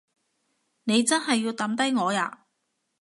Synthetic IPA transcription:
ne˨˧jt͡sɐ˥nɦɐ˨jːiː˧wt̪ɐ˨˥mt̪ɐ˥jŋɔː˨˧ja̰ː˧

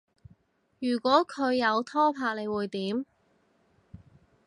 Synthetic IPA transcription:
jyː˨˩kʷɔː˨˥kʰɵ˨˧ɥːɐ˨˧wt̪ʰɔː˥pʰaː˧k̚le˨˧jwuː˨˩jt̪iː˨˥m

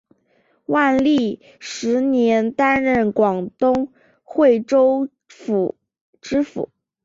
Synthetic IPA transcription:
wa˥˧nli˥˩ | ʂɻ̩˧˥njɛ˧˥nt̪a˥nɻə˥˩nkwɑ˨˩ŋt̪ʊ˥ŋ | xwe˥˩ɪʈ͡ʂo˥ʊ | fu˨˩ | ʈ͡ʂɻ̩˥fṵ˨˩˦

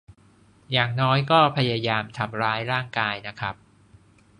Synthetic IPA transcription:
jaː˨˩ŋnɔː˦˥jkɔː˥˩pʰa˧ja˧jaː˧mt̪ʰa˧mɾaː˦˥jɾaː˥˩ŋkaː˧jna˦˥kʰa˦˥p̚

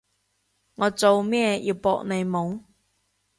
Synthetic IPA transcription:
ŋɔː˨˧t͡so˨˧wmɛː˥˨jʔi˨˧wpɔ̰ː˧k̚ne˨˧jmʊ˨˥ŋ

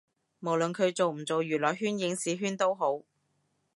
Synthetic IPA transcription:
mo˨˩wlɵ˨nkʰɵ˨˧ɥt͡so˨wm̩˨˩t͡so˨wjyː˨˩lɔː˨˩jɦyː˥njɪ˨˥ŋsiː˨˥ɦyː˥nt̪o˥wɦo˨˥w

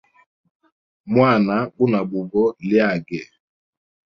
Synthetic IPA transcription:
mwa˦˨na˨˦ɓu˦na˨bu˨ɡɔ˦lja˨ɡɛ˨

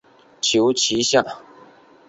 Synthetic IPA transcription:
t͡ɕʰjo˧˥ʊt͡ɕʰi˨˥ɕja˥˨

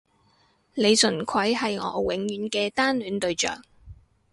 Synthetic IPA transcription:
le˨˧jsɵ˨˩nkʷʰɐ˨˥jhɐ˨jŋɔː˨˧wɪ˨˥ŋjyː˨˧˥nkɛː˧t̪aː˥nlyː˨˥nt̪ɵ˧ɥt͡ʃœ̰ː˨˩k̚

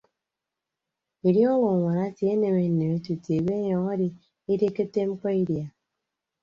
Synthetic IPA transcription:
i˨ɾi˦ɔ˦lʊ˨ŋʷa˨na˦ti˨e˦ne˨me˨n̩˨ne˨me˨˦tu˨te˨be˦jɔ˨ŋɔ˦di˨ | i˦de˦ki˦te˦ŋ͡m̩˦k͡pɔ˦i˦dja˨

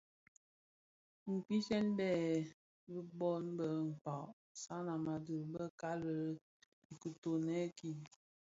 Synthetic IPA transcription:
ŋ̩˨k͡pi˦sɛ˦nbɛ˦˨ | bi˦bɔ˦nbə˨ŋ̩˨k͡pa˨ʔ | sa˦na˨ma˨də˨ɾbə˦ka˦lə˨˦ | i˨ku˨to˨nɛ˦ki˦˨

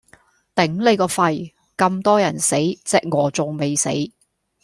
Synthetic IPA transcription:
t̪ɪ˨˥ŋle˨˧jkɔː˧fɐ˧j | kɐ˧mt̪ɔː˥jɐ˨˩nse˨˥jt͡sɛː˧k̚ŋɔː˨˧t͡sʊ˨ŋme˨˧jsḛ˨˥j

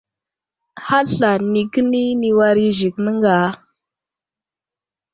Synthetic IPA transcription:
ha˦ɬa˨ni˨kə˦ni˦ni˨wa˦ɾi˦ʒi˨knə˦ŋɡa˨˦

